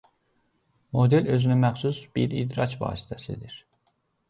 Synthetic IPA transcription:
mo̞d̪e̞lø̞zynymæxsusbiɾid̪ɾɑcʰvɑ̰ːsi̥t̪ʰæsḭd̪iɾ̥

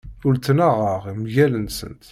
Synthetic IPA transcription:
ʊlt͡sːnaʁəʁimʝælənsə̰nt̪

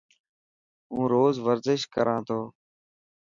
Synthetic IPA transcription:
ũːɾoːzʋəɾzɪʃkəɾʔãːt̪ʰoː

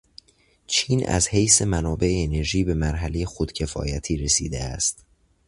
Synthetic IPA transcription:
t͡ʃʰiːnæ̰zhejse̞mænɒːbe̞ʔeːne̞ɾʒiːbe̞mæɾɦæle̞je̞xod̪̥cʰe̞fɒ̰ːjæt̪ʰiːɾe̞sḭːd̪eæ̰st̪

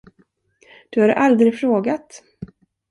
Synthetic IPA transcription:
d̪̥ɵhaɾʔald̪ɾɪɡfɾoːɡat̪

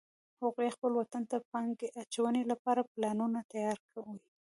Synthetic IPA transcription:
haɣujexpəlwat̪ant̪apɑŋɡeʔat͡ʃawənelapɑɾaplɑnunat̪ajɑɾkʰawi

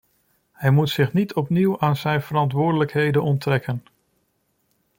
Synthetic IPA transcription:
hɛjmutsɪχnitʰɔpniwaːnzɛjnv̥əɾɑntʋʊːɹdələkɦejdənɔntrɛkən

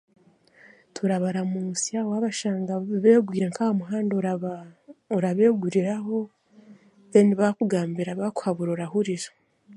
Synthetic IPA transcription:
tʰuɾaβaɾamuːsiawoaβaʃaːŋɡaβeːɡwiːɾeŋkahomuɦaːndo | oɾaβe̞ːɡuɾiɾaɦo̞ | βeniβakuɡaːmbiɾaβaku̥haβuɾoɾahuɾiɾḁ

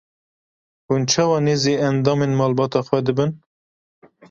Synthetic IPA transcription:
hunt͡ʃʰɑwɑːneːzeːɛnd̪ɑːmeːnmɑːlbɑːt̪ɑːxwɛd̪ɨbɨn

